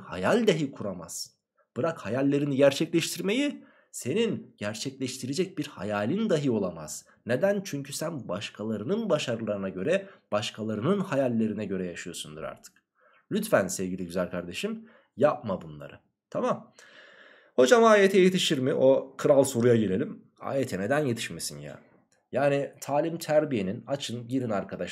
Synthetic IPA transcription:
ha̰jalʲd̪aɦikʰuɾama̰z̥ | b̥ɯɾakhajalʲːe̞ɾiniɟæɾt͡ʃʰɛclʲɛʃt̪ʰiɾmeji | se̞ninɟ̥æɾt͡ʃʰɛclʲɛʃt̪ʰiɾed͡ʒɛc̚biɾha̰jaːlʲind̪aɦɯo̞lˠama̰z̥ | ned̪ænt͡ʃʰyɲcʰysænbaʃkʰalˠaɾɯnɯnbaʃaɾɯlˠaɾɯnaɟø̞ɾɛb̥aʃkʰalˠaɾɯnɯnhajalʲːe̞ɾinɛɟø̞ɾɛjaʃɯjo̞sund̪ɯ̰ɾa̰ɾt̪ʰɯ̥k | lʲyt̪fænsɛvɟilʲiɟyzælʲkʰaɾd̪e̞ʃim | jap̚mabunlˠa̰ɾɯ | t̪ʰamam | ho̞d͡ʒamaːjet̪ʰɛjet̪ʰiʃiɾmiʔo̞kʰɯɾalˠso̞ɾujaɟelʲelʲim | a̰ːjet̪ʰɛne̞d̪ænje̞t̪ʰi̥ʃmesinja̰ | jaːnit̪ʰaːlʲimt̪ʰæɾbije̞ninat͡ʃʰɯnɟiɾinaɾkʰad̪a

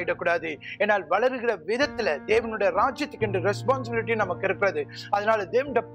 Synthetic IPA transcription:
ɪʈːɐkːuːɽaːðɯeːnːaːlʋɐɭɐɾɯɣɪrɐʋɪðɐt̪ːɪlɐd̪eːʋɐnɯɽɐjɐɾaːd͡ʒjɐt̪ːɯkːɪɳɖrɯɾɛspaːns̬ɪbɪlɪʈ̬ːɪjʊ̃nɐmɐkːɪɾɯkːɪɾɐðɯɐðɐnaːlɐd̪eːʋɐnɽɐ

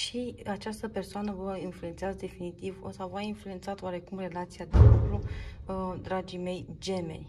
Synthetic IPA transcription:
ʃiat͡ʃast̪əpe̞rsoanəvəinflue̞nt̪seazd̪e̞finit̪ivosawvainflue̞nt̪sat̪oaɾe̞kumre̞lat̪sijad̪elukɾu | d̪ɾad͡ʒime̞jd͡ʒe̞me̞̰n

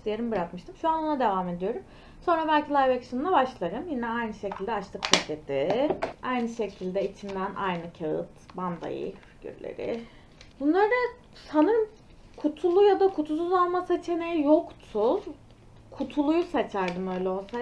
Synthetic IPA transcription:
lʲijeɾɯmbɯɾakmɯʃt̪ʰɯmʃuanonad̪e̞vaːme̞d̪ijo̞ɾum | so̞nɾabælʲcʰilʲˠajvacsɯnlˠabaʃlˠaɾɯmjinɛajnɯʃe̞cʰilʲd̪ɛat͡ʃlʰˠɯksʰated̪iajnɯʃe̞cʰilʲd̪ɛit͡ʃʰind̪ænʔa̰jnɯcʰaɯ̰t̪band̪a̰jɯ̰ficʰy̰ɾlʲḛɾɪ̰ | bunlˠaɾd̪a | sanɯɾɯm | kʰut̪ʰulˠujad̪akʰut̪ʰusuzalˠmaset͡ʃʰenejjokt̪ʰu | kʰut̪ʰulˠujusat͡ʃʰaɾd̪ɯmø̞jlʲɛosa

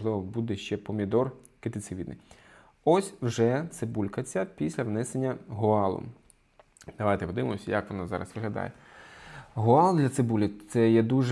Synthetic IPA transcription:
lˠɪʋɔbud̪ɛʃt͡ʃɛpɔmʲid̪ɔrket̪ɪt̪sɪʋʲid̪nɪ̰j | ɔsʲwʒɛt̪sɪbulʲkɐt͡sʲɐpʲisʲlʲɐʋnɛsenʲːɐɦʊɑlˠʊ̰ | d̪̥ɐʋajt̪ɛpɔd̪ɪʋɪmɔsʲɐjɐkʋɔnazɑ̰ɾɐ̰sʋɪɦlʲɐd̪ɑ̰jɛ | ɦʊɑlˠd̪lʲɐt̪sɪbulʲit̪sɛjɛd̪uʒ

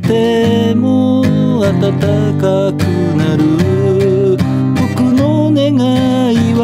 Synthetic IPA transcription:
t̪e̞ | mo | at̪at̪a | ka | kɯ | naɾɯ | bokɯno | neɡa | iβ

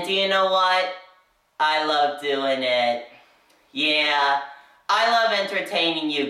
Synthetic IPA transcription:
dɨjɨnoʊwʌt̚ | ʔaɪlʌvdʉɪ̃ŋɪt̚ | jæ | aɪlʌvɛ̃ntə˞tʰẽɪ̃nɪ̃ŋjɨ

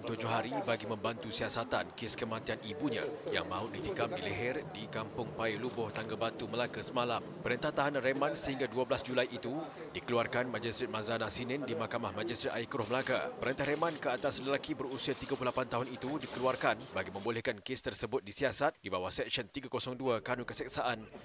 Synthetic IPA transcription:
nt̪ud͡ʒoɦaɾibaɡimə̃mbant̪usiasat̪ankeskəmãnt̪ianibuɲã̰ja̰ŋmãɦuʔdit̪ikamdilɛɦɛrdikampʊŋpajilubʊht̪aŋɡabat̪uməlakasəmãlampəɾənt̪aht̪aɦananremãnsəɦiŋɡaduabəlasd͡ʒulajit̪u | dikəluarkanmãd͡ʒist̪ɾit̪̚mazanasinəndimakamahmãd͡ʒist̪ɾit̪aikɾʊhməlaka̰pəɾənt̪aɦɾemãnkəat̪asləlakibərusiat̪iɡaplulapant̪aɦʊnit̪udikəluarkanbaɡimə̃mbolɛhkankest̪ərsəbʊt̪̚disiasat̪̚dibawahsɛk̚ʃənt̪iɡakosɔŋduakanukəsɛk̚saʔan

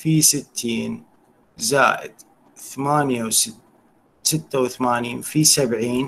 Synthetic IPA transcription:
fisɪt̪ʰːiːn | za̰ːʔɪ̰d̪̥ | θamaːnjaws | sɪt̪ːawθamaːniːnfisabʕiːn

